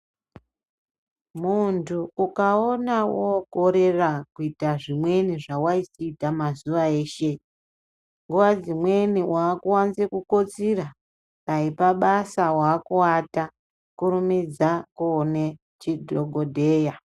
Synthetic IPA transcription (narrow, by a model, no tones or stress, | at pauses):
muntʰuukao̞nawoɡʱo̞ɾe̞rakuitaʐimwe̞niʐawaisiːtamazuʋae̞ːʃe̞ | ŋɡuʋad͡zimweniwaːkuwanzekuko̞t͡sira | paipaɓasawaːkuwata | kuɾumid͡zakune | t͡ʃidʱoɡʱodʱe̞ːja